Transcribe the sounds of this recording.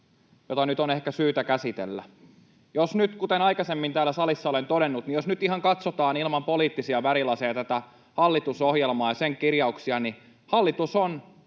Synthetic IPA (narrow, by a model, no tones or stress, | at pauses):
jot̪ɑnyt̪onehkæsyːt̪ækæsit̪ḛlːæ̰ | josnyt̪kut̪enɑikɑsemːint̪æːlːæsɑlisːɑolent̪odenːut̪nijosnyt̪iɦɑŋkɑt̪sot̪ɑːnilmɑmpoliːt̪ːisiɑʋæɾilɑsejɑt̪æt̪æ | hɑlːit̪usohjelmɑːjɑseŋkirjɑuksiɑni | hɑlːit̪uson